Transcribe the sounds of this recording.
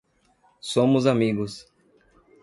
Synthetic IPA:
sõmʊzamiɡʊs

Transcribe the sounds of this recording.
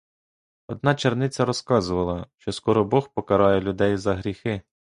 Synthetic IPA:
ɔd̪nɑt͡ʃernɪt͡sʲɐɾɔskɑzʊʋɐlˠɐʃt͡ʃɔskɔɾɔbɔxpɔkɐɾɑjɛlʲʊd̪ɛjzɐɦɾʲixɪ

